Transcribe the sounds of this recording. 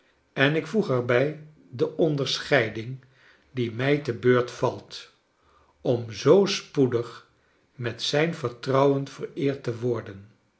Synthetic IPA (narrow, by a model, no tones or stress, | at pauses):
ɛnɪkfuχɛɹbɛj | dəʔɔndəɹsχɛjdɪŋ | dimɛjtəbøːɹtfɑlˠt | ɔmzowspudəχ | mɛtsɛjnvəɹtrɑwənv̥ərɪːɹtəʋɔɹdən